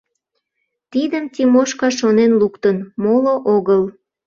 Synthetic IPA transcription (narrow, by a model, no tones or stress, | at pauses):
t̪id̪əmt̪ʲimoʃkɑʃonenlukt̪ənmoloʔoɣəl